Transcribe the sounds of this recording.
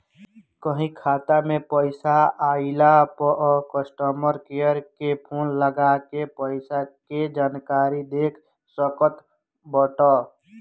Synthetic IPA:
kəɦĩkʰaːt̪amẽpəɪsaaːɪlapəʔkəsʈəməɾkejəɾkepʰoːnləɡakepəɪsaked͡ʒaːnkaːɾid̪eːkʰ | səkət̪ | bəʈaː

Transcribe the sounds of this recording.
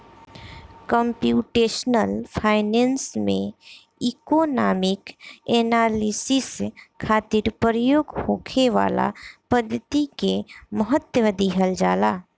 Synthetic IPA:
kə̃mpjuːʈeːʃnəlpʰaːɪnẽːnsmḛ̃ | ɪkonaːmɪkeːnaːlisiskʰaːt̪ɪɾpɾəjoːɡhoːkʰeʋa̰ːla̰pəd̪ʱːət̪ikeməɦət̪wəʋəd̪iɦəld͡ʒaːlaː

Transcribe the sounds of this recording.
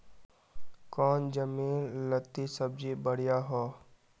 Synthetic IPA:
kɔːnd͡ʒəmiːnːət̪ːisəb̚d͡ʒibəɽ̤jaɦoː

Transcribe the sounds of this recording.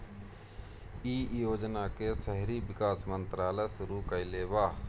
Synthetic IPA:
iːjoːd͡ʒnakesəɦɾibɪkaːsmə̃nt̪ɾaːləsʊɾukəileːbaː

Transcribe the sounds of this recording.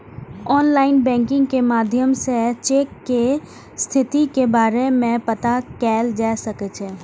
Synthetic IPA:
ɔːnlaːɪnbɛ̃ːŋkɪ̃ŋɡkemaːd̪ʱjəmset͡ʃeːkːe | st̪ʰɪt̪ikebaːɾemẽpət̪akɛːld͡ʒaːsəket͡ʃʰeː

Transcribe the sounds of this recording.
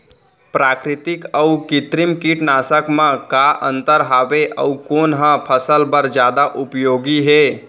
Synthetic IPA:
pɾaːkɾɪt̪ɪkəukɪt̪ɾimkiʈnaːsəkmãkaʔə̰̃nt̪əɾɦaːʋeʔə̰ukoːnɦãpʰəsəlbəɾd͡ʒjaːd̪aʔʊpjoːɡiɦeː

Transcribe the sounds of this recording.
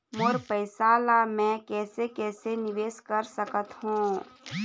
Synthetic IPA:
moːɾpəɪsaːlamɛ̃kɛːsekɛːsenɪʋeːskəɾsəkət̪hũː

